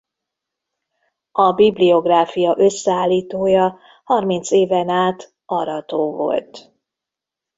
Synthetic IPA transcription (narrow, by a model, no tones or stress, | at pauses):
ɒbiblio̞ɡraːfijɒʔø̞sːɛaːlːiːt̪oːjɒ | hɒrmint̪seːvɛnaːt̪ | ɒɾɒt̪oːvo̞̰lt̪